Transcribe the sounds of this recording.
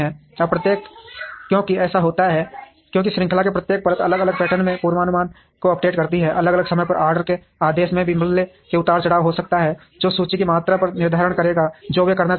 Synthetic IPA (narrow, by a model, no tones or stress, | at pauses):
ɦɛ̃ːɔpɾət̪jeːkkjõːkiɛːsaɦoːt̪aɦɛ | kjõːkiʃɾɪ̃ŋkʰlakepɾət̪jeːk̚pɐɾət̪ɐləɡələɡ̚pɛːʈənmẽpuːɾʋaːnʊmaːn | koɐp̚ʈeːʈkɐɾt̪iɦɛʔɐləɡələɡsəməjpɐɾʔaːɾɖəɾke | aːd̪eːʃmẽbʱimɪlle | keʊt̪aːɽt͡ʃɐɽaːɦosɐk̚t̪aɦɛ | d͡ʒoːsuːt͡ʃikimaːt̪ɾapəɾnɪɾd̪ʱaːɾəɽ̃kəɾeːɡad͡ʒoːʋekɐɾna